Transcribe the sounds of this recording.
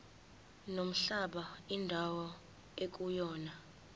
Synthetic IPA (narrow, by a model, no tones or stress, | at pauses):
nom̩ɬaɓaindʱawɔ | ek̬ʼujɔːna